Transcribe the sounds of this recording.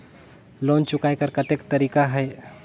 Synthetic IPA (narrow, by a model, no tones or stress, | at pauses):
loːnt͡ʃʊkaːekəɾkɐt̪ekt̪əɾiːkaɦɛː